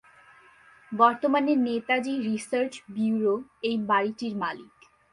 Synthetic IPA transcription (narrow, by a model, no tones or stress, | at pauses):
bɔɾt̪omaneɾnet̪ad͡ʑiɾisəɾt͡ɕbiuɾoejbaɾiʈiɾmalik